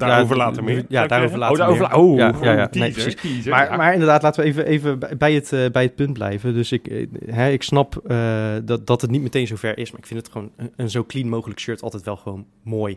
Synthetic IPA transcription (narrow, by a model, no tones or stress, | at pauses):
djavəlaːtəmjadaːowvəlaːovojajajanejprsisimaɹmaːɹɪndəɹdaːtlaːtəʋəejvəʔejvəbbɛjətːbɛjət̚pɵnt̚blɛ̰jvədøsɪkɦɛɪksnɑpədd̥ɑtɦətnitmətejnzowvɛɹʔɪsmaːɹɪkfɪntətχʋownəənzowklinmowχələkʃøɹtɑ̰lˠtɛjtʋɛlˠχəʋown | moːj